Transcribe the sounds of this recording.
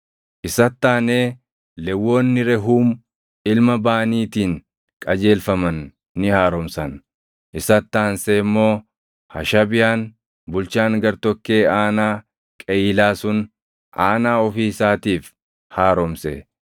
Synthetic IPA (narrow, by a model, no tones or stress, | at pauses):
ʔɪsɐt̪ːaːneː | lɛwːo̞ːnːɪɾɛɦuːm | ɪlmɐbaːniːt̪iːn | kʼɐd͡ʒe̞ːlfɐmɐnː | ɪhaːɾɔmsɐn | ʔɪsɐt̪ːaːnseːmːo̞ː | hɐ̰ʃɐbɪjaːn | bʊlt͡ʃaːŋɡɐɾt̪ɔkːe̞ːaːnaː | kʼɛiːlaːsʊn | ʔaːnaːɔfiːsaːt̪iːf | haːɾɔmsɛ̰